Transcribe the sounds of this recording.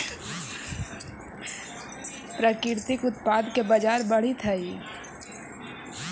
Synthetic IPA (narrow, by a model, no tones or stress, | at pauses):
pɾəkɪɾt̪ɪkʊt̪paːd̪kebɐd͡ʒaːɾbɐɽ̤it̪ʰɐi